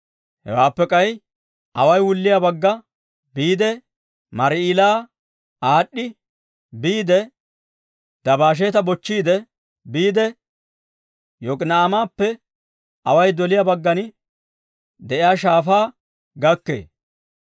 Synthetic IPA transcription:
hɛ̰waːpːɛkʼɐj | ʔɐwɐjwʊlːɪjabɐɡːɐ | biːd̪ɛ | mɐɾiːlaː | ʔaːɗːɪ | biːd̪ɛ | d̪̥ɐbaːʃ̬eːt̪ɐbɔt͡ʃːiːd̪ɛ | biːd̪ɛ | jɔkʼnaːmaːpːɛ | ʔɐwɐjd̪ɔlɪjabɐɡːɐn | d̪ɛʔɪjaːʃaːfaː | ɡɐkːḛː

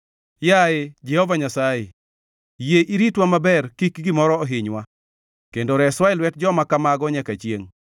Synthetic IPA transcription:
jaed͡ʒɛhɔvaɲasajɪ̰ | jeʔiɾitwamabɛrkikɡɪmɔɾɔːɦɪɲwa | kendoɾɛswaɪlwɛt̚d͡ʒɔmakamaɡɔɲakat͡ʃjeŋ

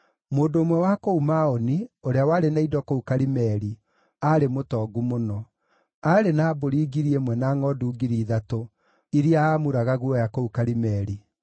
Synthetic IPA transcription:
moːndoːmwɛwakoumaonioɾeawaɾenaidɔkoukaɾimɛɾi | aɾemotɔːɡumonɔ | aɾenaːboɾiːɡiɾiemwɛnaŋɔduːɡiɾiðato | iɾiaːmuɾaɣaɣuɔjakoukaɾimɛɾi

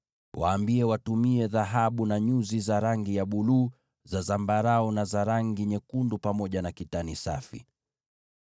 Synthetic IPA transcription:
wa̰ːmbiɛwatumiɛðaɦaɓunaɲuzizaɾaŋɡijaɓuluː | zazambaɾaɔnazaɾaŋɡiɲɛkundupamɔʄanakitanisa̰fḭ

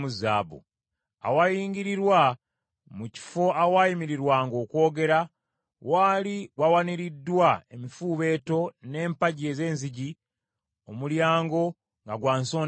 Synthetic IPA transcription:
muzaːbṵ | a̰wajiːŋɡiɾiɾwa | muci̥fo̞ʔawajimiɾiɾwaːŋɡo̞ːkwo̞ːɡe̞ɾa | waːliwawaniɾidːwae̞mifuːβe̞ːto̞ne̞ːmpaɟe̞ːze̞ːnziɟi | o̞muljaːŋɡo̞ | ŋɡaɡwaːnso̞ːn

